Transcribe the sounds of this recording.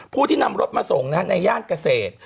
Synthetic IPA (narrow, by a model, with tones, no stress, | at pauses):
pʰuː˥˩iː˥˩na˧mɾo˦˥t̪̚maː˧so˨˩˦ŋna˦˥na˧jaː˥˩nka˧seː˨˩t̪̚